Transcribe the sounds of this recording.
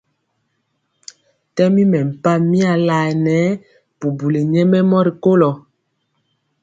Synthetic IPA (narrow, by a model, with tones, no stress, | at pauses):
tɛ˦mi˦mɛ˨m̩˨pa˦mi˦a˨la˨nɛ˨˦ | pu˨bu˨le˨ɲɛ˦mɛ˦mɔ˦ɾi˨ko˦lɔ˨